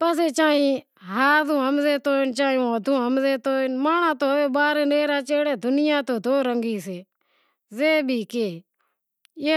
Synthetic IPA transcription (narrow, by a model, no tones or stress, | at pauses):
pəs̬eːt͡ʃaːĩː | ɦaːzũːɦəmzeːt̪oːɪnt͡ʃaːjõːəd̪ũːɦəmzeːt̪oːɪnmaːnãːt̪oːeːɓaːɾeːneːɾaːt͡ʃeːɽeːd̪ʊnɪjãːt̪oːd̪oːɾəŋɡiːseː | zeːbʱiːkeː | e